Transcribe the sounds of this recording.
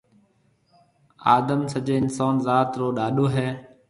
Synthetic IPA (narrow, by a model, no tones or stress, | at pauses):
aːd̪əmsəd͡ʒeːɪnsaːnzaːt̪ɾoːɗaːɗoːɦɛː